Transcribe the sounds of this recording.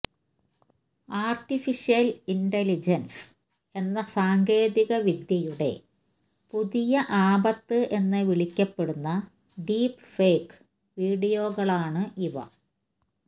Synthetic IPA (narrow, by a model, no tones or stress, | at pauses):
aːrʈifiʂijɐliɳɖelid͡ʑɐns | e̞nːɐsaːŋɡe̞ːðiɣɐʋid̪jɐjuɽe̞̰ | puðijɐʔaːbɐt̪ːɨʔe̞nːɨʋiɭikʲːɐpːe̞ɽunːɐ | ɖiːpfeːk | ʋiːɽijo̞ːɣɐɭaːɳɨʔiʋɐ̰